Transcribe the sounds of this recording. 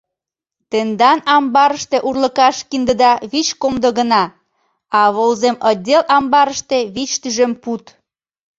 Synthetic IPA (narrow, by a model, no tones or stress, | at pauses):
t̪end̪ɑnɑmbɑɾəʃt̪eʔurlə̆kɑʃkind̪əd̪ɑβit͡ɕkomd̪oɣənɑ | ɑβolzemədʲelʔɑmbɑɾəʃt̪eβit͡ɕt̪yʒemput̪